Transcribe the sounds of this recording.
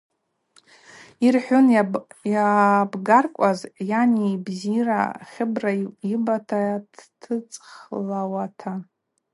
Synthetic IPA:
irħʷᶣʊnjabɡarkʷʼazjanibzira̰χʲɪbraibatʰadtʰɨt͡sʼχlawatʰa

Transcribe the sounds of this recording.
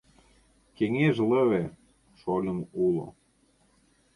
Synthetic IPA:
keŋeʒləβe | ʃolʲənulo̰

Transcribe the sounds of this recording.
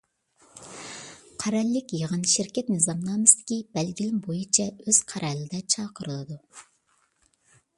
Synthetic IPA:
qʰæɾɛlːɪkʲjeʁɨnʃɪɾkʲɛt̪nɨzɑmlˠɑːmɨsd̪̥ɪ̥kʲibɛlɡʲilɪmbojit͡ʃʰɛøz̥qʰæɾʔɛlɪd̪ɛt͡ʃʰɑːqʰəɾɨlˠɨd̪u

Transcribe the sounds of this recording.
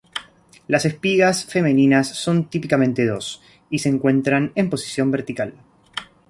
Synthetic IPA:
lase̞spiɣasfe̞me̞ninasːo̞nt̪ipikamẽ̞nt̪e̞ðo̞s | ise̞ːŋkwe̞nt̪ɾane̞mpo̞si̥sjo̞mbeɾt̪ikal

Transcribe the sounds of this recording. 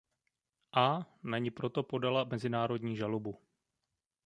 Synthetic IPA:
ʔanaɲɪpɾo̞t̪o̞po̞dalamɛzɪnaːɾo̞dɲiːʒalobu

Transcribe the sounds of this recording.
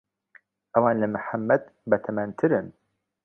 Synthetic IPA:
ʔɐwɑːnlɐmɨħamːɐd̪̚bɐt̪ʰɐmant̪ʰɨɾɨn

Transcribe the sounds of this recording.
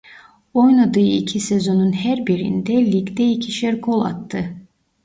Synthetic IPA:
o̞jnˠad̪ɯːḭcʰisezo̞nunhæɾbiɾḭnd̪ɛlʲikd̪ɛicʰiʃæɾkʰo̞lˠa̰t̪ʰːɯ

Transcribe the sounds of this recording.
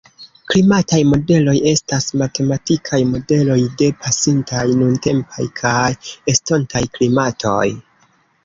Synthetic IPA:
klimatajmo̞de̞lo̞je̞stasmate̞matikʰajmo̞de̞lo̞jde̞pʰasintajnunte̞mpa̰jkʰaje̞sto̞ntajklimatʰo̞̰j

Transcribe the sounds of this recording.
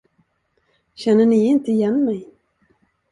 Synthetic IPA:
ɕɛnːəɳɪɪnt̪əɪjɛnːmɛj

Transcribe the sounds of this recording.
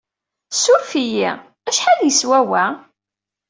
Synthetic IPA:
suɾfijḭ | æʃħaðjəswæwæ

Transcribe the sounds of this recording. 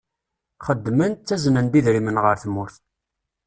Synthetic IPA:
χəd̪ːmənt̪t͡sːæzənənbiðɾimənʁəɾθmːʊɾθ

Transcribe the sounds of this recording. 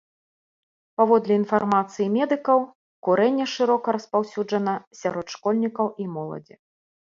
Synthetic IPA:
pavɔd̪lʲɛinfarmat̪sɨjimʲɛd̪ɨkɐw | kuɾɛnʲːɛʂɨɾɔkɐɾɐspawsʲud͡ʐɐnɐsʲaɾɔt̪ʂkɔlʲnʲikɐwʔimɔlˠɐ̰d͡zʲi

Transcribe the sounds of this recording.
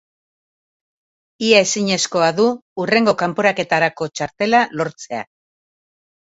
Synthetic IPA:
iae̞siɲe̞sko̞aðuːre̞ŋɡo̞kampo̞ɾake̞t̪aɾako̞t͡ʃaɾt̪e̞lalo̞ɾt͡se̞a̰

